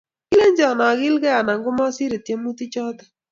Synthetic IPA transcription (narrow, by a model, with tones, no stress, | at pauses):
kɪ˦le˦ɲd͡ʒɔ˨na˨ɣɪ˦lkɛ˦a˨na˨ŋɡʊ˦mɔ˦sɪ˦ɾe˨te˦mu˦ti˦t͡ʃɔ˦ta˨